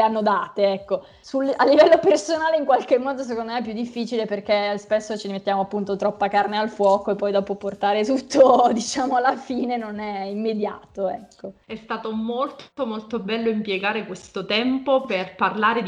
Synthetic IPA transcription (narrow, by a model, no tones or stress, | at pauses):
anːod̪aːt̪eɛkːo | sulalːivɛlːopersonaːleiŋkwalk̟emːɔːd̪os̬ekond̪omɛɛpːjud̪ːifːiːt͡ʃileperk̟espesːot͡ʃiɾimet̪ːjaːmoapːunt̪ot̪ɾɔpːakarnealfwɔːkoepːɔjd̪ɔːpoport̪aːɾet̪ut̪ːod̪it͡ʃaːmoalːafiːnenonɛimːed̪ja̰ːt̪oɛkʰːoɛst̪aːt̪omolt̪omolt̪obɛlːoimpjeɡaːɾekwest̪ot̪ɛmpoperparlaːɾed̪